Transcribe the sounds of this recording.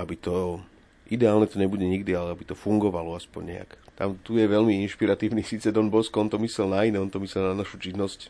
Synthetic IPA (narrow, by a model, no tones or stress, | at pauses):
abit̪ɔ | ʔid̪ɛaːlnɛt̪ɔɲɛbuɟɛɲiɡd̪ialɛabit̪ɔfuŋɡɔʋalɔaspɔɲɲɛ̰a̰kt̪a̰mt̪ujɛʋɛlmiinʃpiɾat̪iːʊnisiːt͡sɛd̪ɔnbɔskɔɔnt̪ɔmislɛlnainɛɔnt̪ɔmislɛlnanaʃut͡ʃinːɔsc